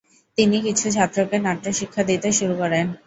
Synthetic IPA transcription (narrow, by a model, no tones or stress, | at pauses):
t̪inikit͡ɕʰut͡ɕʰat̪ːɾokenaʈɾoʃikʰːad̪it̪eʃuɾukɔɾen